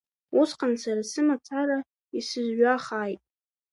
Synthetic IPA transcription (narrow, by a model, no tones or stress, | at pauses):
usqʰʼansaɾasɨmatʰaɾa | isɨzɥaχaːjtʼ